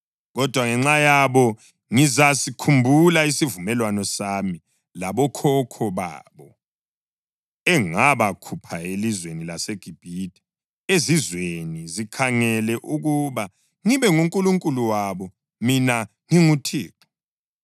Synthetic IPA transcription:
ɣɔd̥ʱwaŋɛŋ͡ǁajaβɔ | ŋizasikʰumbʱulaisivumɛlwanɔsami | laβɔkʰɔkʰɔβa̰ːβɔ | ɛŋaβakʰupʰaelizwenilaseɡ̥ʱib̥ʱitʼi̥ | ezizwenizikʰaŋɛlɛʔuɣuβa | ŋiβɛŋuŋkʼuluŋkʼuluwaβɔ | mina | ŋiŋutʰḭːǁɔ̥

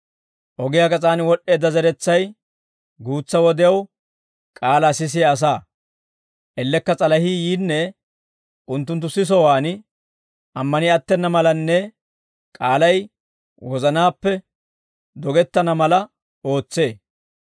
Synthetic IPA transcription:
ʔɔɡɪjakɐt͡sʼaːnwɔɗːe̞ːd̪ːɐzɛɾɛt͡sːɐj | ɡuːt͡sːɐwɔd̪ɪjɐw | kʼaːlasɪs̬ɪɐːs̬aː | ʔɛlːɛkːɐt͡sʼɐlɐhiːjiːnːɛ | ʔʊnt̪ːʊnt̪ːʊsɪs̬ɔwaːn | ʔɐmːɐnɪɐt̪ːɛnːɐmɐlɐnːɛ | kʼaːlɐj | wʔɔzɐnaːpːɛ | d̪ɔɡɛt̪ːɐnɐmɐlɐ | o̞ːt͡sːe̞ː

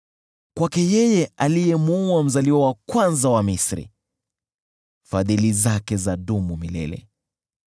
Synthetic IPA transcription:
kwakɛjɛjɛʔalijɛmuuam̩zaliwawakwanzawamisɾḭ | faðilizakɛzaɗumumilɛ̰lɛ̰

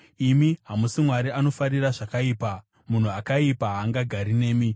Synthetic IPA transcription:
imiɦamusimwaɾiʔano̞faɾiraʐakaiːpa | mun̤uakaipaɦaːŋɡaɡʱaɾineːmi

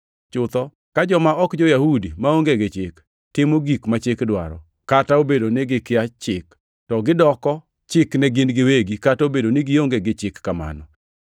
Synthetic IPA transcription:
t͡ʃʊt̪ɔ | kad͡ʒɔmaʔɔkd͡ʒɔjahudimaoŋɡeɡɪt͡ʃɪk | tɪmoɡikmat͡ʃɪkdwa̰ɾɔ̰ | kataobedonɪɡɪkɪat͡ʃɪk | tɔɡɪdɔkɔ | t͡ʃɪknɛɡɪnɡɪweɡikataobedonɪɡɪoŋɡeɡɪt͡ʃɪkːama̰nɔ

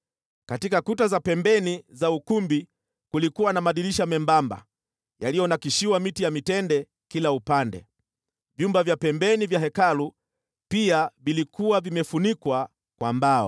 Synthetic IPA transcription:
katikakutazapɛmbɛnizaukumbi | kulikuwanamaɗiliʃamɛmbamba̰ | jalijɔnakiʃiwamitijamitɛndɛ | kilaupandɛ̰ | vjumbavjapɛmbɛnivjaɦɛkalu | piavilikʰuwavimɛfunikwa | kwambaɔ̰

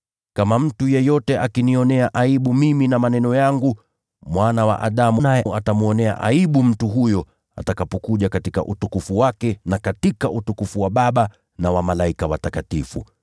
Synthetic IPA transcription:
kamam̩tujɛjɔtɛʔakiniɔnɛaʔaiɓumiminamanɛnɔjaŋɡu | mwanawa̰ʔaɗamunajɛatamuɔnɛa̰ʔa̰iɓum̩tuɦujɔ | a̰takapɔkuʄakatika̰ʔutukufuwakɛnakatikaʔutukufuwaɓaɓa | nawamalaikawatakatifṵ

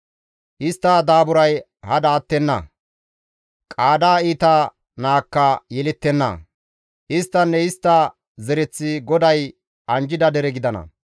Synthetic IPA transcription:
ʔɪst̪ːɐd̪aːbʊɾɐj | hɐd̪aːt̪ːɛnːɐ̰ | kʼaːd̪aːiːt̪a | naːkːɐjɛlɪt̪ːɛnːɐ̰ | ʔɪst̪ːɐnːɛɪst̪ːɐ | zɛɾɛt͡sːɪɡɔd̪ɐj | ʔɐnd͡ʒɪd̪ɐd̪ɛɾɛɡɪd̪ɐnɐ̰

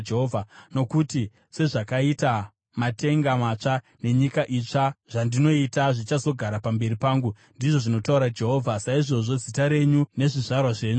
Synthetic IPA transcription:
d͡ʒeɦoːvʱano̞kuti | se̞ʐakaita | mate̞ŋɡamat͡ʂa | ne̞ɲikaʔit͡ʂaʐ̥andino̞itaʐit͡ʃaso̞ɡʱaɾapambe̞ɾipaːŋɡu | ndiʐo̞ʐino̞tauɾad͡ʒe̞ɦo̞ːvʱasaiʐo̞ʐo̞d͡zitaɾe̞ɲune̞ʐiʐarwaʐe̞ːɲu

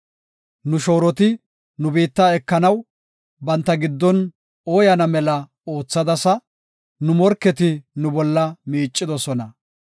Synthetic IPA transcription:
nʊʃo̞ːɾɔt̪ɪ | nʊbiːt̪ːaːɛkːɐnɐw | bɐnt̪ːɐɡɪd̪ːɔn | oːjɐnɐmɛlɐ | o̞ːt͡sːɐd̪ɐsɐ | nʊmɔɾkːɛt̪ɪnʊbɔlːɐmiːt͡ʃʼːɪd̪ɔsɔnɐ

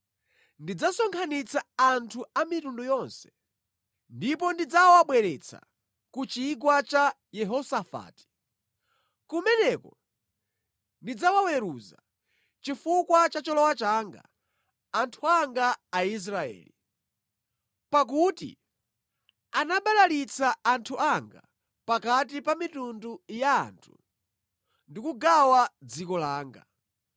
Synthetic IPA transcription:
ndid͡zasɔŋkʰanit͡sʰaːntʰuamitundujɔnsɛ̥ | ndipɔndid͡zawaɓwɛɾɛt͡sʰa̰ | kut͡ʃikwat͡ʃa | jɛɦɔsafa̰ːti̥ | kumɛnɛkɔ | ndid͡zawawɛɾuza̰ | t͡ʃifukwat͡ʃat͡ʃɔlɔwat͡ʃaːŋɡa̰ː | ntʰuaŋɡaːis̬ɾaɛ̰ːli | pak̬utḭ | anaɓalalit͡sʰaantʰuʔaŋɡa̰ | pakat̬ipamitunduja̰ːntʰu | ndikuɡawad͡zikɔlaːŋɡa̰

